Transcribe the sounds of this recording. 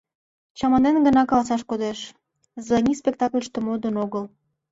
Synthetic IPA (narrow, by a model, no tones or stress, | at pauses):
t͡ɕɑmɑnenɡənɑkɑlɑsɑʃkod̪eʃ | zlɑnʲispʲek̚t̪ɑklʲʃt̪ə̆mod̪ənoɣəl